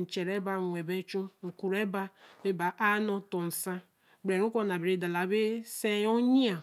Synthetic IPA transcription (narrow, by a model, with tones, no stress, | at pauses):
n̩˨t͡ʃe˨ɾe˦ba˦˨ŋʷe˨be˦t͡ʃu˦ŋ̩˨ku˨ɾe˦ba˦be˦ba˨ʔa˦nɔ˦tɔ˨n̩˨sa˦ | bɾe˨ɾu˦ko˦na˨be˨ɾe˨˦˨da˨la˨˦be˦se˦jo˦ɲi˦a˨